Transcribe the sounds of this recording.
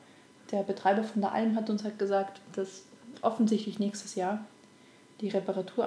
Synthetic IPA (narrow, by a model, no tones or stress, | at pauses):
d̥eːɐbətʁ̥aɪbɐfɔndeːɐʔa̰lmɦatʊnshatɡ̥əzaːktd̥asʔɔfn̩zɪçtlɪçnɛːçstəsjaːɐ | d̥iːʁepaʁatʰuːɐ